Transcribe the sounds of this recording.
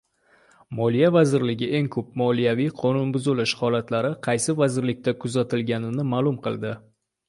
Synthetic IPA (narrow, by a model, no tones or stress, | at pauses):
mɒlˠijavazɪɾlɪɡʲɪʔe̞ŋkʰɵp̚mɒlijavijqʰɒnʊnbʊzɪlɪʃhɒlat̪laɾɪqʰɑjsɪvazɪɾlɪk̚ʲt̪ʰakʰʊzat̪ʰɪlɡʲanɪnɪmaːlˠʊmqʰɨlˠd̪ɪ